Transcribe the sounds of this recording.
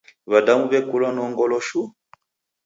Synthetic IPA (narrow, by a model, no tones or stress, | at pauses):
βadamuβɛkulanɔŋɡɔlɔʃu